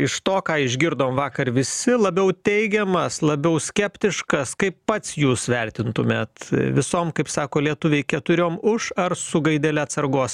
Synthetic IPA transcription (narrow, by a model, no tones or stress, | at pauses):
ɪʃt̪oːkɑːɪʒʲɡʲɪɾd̪oːmʋɑːkɐrʋʲɪsʲɪlˠɐbʲɛʊt̪ʲɛɪɡʲɛmɐslˠɐbʲɛʊsʲkʲɛpʲt̪ʲɪʃkɐskɐɪppɐt̪sjuːsʋʲɛrʲt̪ʲɪnt̪ʊmʲeːt̪ʋʲɪsoːmkɐɪpsɑːkoːlʲiɛt̪ʊʋʲɛɪkʲɛt̪ʊɾʲoːmʊʃɐrsʊɡɐɪd̪ʲɛlʲɛɐt̪sɐrɡoːs